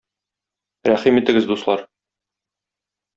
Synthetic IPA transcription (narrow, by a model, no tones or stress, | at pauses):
ɾæχimit̪ɘ̆ɡɘzd̪uslˠɑɾ